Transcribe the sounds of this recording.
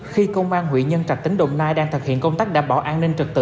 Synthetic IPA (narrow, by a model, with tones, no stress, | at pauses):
xi˧kə˧wŋ͡mʔaː˧nɦwḭ˧˨ɲə˧nt͡ɕa˨˩t̪ï˨˦ŋ̟ɗo̰˧˨ŋ͡mnaː˧jɗaː˧ŋt̪ʰɨ˨˩k̚hḭ˧˨ənkə˧wŋ͡mt̪aː˦˥k̚ɗaː˧˩ɓɔ˧˩ʔaː˧nnï˧ŋ̟t͡ɕɨ˨˩k̚t̪ɨ̰˧